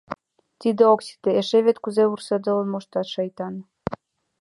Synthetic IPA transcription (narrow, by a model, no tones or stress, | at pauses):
t̪id̪eoksʲi̥t̪eeʃeβet̪kuzeursɤd̪ɤ̆lə̆nmoʃt̪ɑt̪ʃɑjt̪ɑn